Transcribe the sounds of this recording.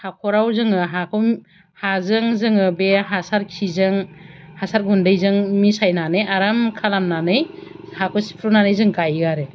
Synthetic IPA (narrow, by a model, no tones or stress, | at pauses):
hakʰɔɾawzɯŋɯɦakʰɯ | hazɯŋzɯŋɯbeɦasaɾkʰizɯŋhasaɾɡʱundɯjzɯŋmisajnanɯjaɾamkʰalamnanɯjhakʰɔsi̥pʰɾunanɯjzɯŋɡajɡaɾɯ